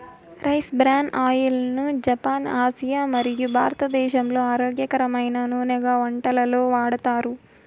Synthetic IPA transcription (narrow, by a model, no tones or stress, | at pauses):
ɾɐjsbɾaːɳʔaːjulnud͡ʒɐpaːnaːsijaːmɐɾijubʱaːɾɐt̪ɐd̪ɛːʃɐmlo̞ːaːɾo̞ːɡjɐkɐɾɐmɐjnɐnuːnɛɡaːʋɐɳʈɐlɐlo̞ːʋaːɽɐt̪aːɾu